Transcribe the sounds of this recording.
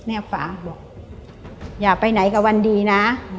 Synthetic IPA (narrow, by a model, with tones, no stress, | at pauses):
nɛː˧˩fa̰ː˩˦bɔː˨˩k̚ | jaː˨˩k̚pa˧jna˨˩˦jka˧˩wa˧ndiː˧naː˦˥